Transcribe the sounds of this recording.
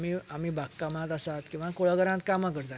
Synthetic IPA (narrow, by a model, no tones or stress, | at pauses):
miam̤iːbʱakkamãt̪asat̪kĩw̃ʋãkoɭəɡəɾãt̪kamãk̬əɾt̪a